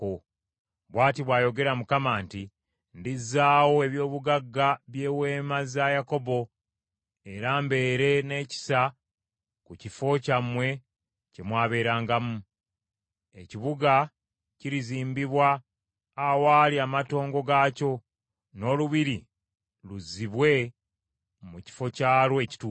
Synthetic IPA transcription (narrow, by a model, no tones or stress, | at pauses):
o | βwaːtiβwaːjo̞ɡe̞ɾamukamaːnti | ndizːaːwo̞e̞βjo̞ːβuɡaɡːaβje̞ːwe̞ːmazajako̞bo̞ | e̞ɾaːmbe̞ːɾe̞ne̞ːci̥sa | kucifo̞camwe̞ | cemwaːβe̞ːɾaːŋɡamu | e̞ciβuɡa | ciɾiziːmbiβwaː | waːliaːmato̞ːŋɡo̞ɡaːco̞ | no̞ːluβiɾi | luziβwe̞ | muci̥fo̞caːlwe̞ːci̥tuː